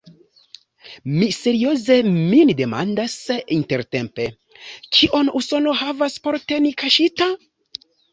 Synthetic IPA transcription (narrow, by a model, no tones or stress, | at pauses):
mise̞ɾio̞ze̞minde̞ma̰ndasinte̞ɾte̞mpe̞ | t͡ʃiʔo̞nuso̞no̞ɦavaspo̞ɾte̞nikaʃita